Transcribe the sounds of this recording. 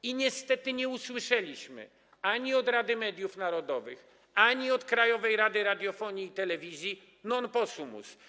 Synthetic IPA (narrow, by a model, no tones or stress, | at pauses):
iɲɛst̪ɛt̪ɘɲɛuswɘʂɛlʲiɕmɘ̰ | aɲiɔd̪ɾad̪ɘmɛd̪ʲjufnaɾɔd̪ɔvɘx | aɲiɔt̪kɾajɔvɛjɾad̪ɘɾad̪ʲjɔfɔɲiːt̪ɛlɛvʲizʲji | nɔnpɔsumṵs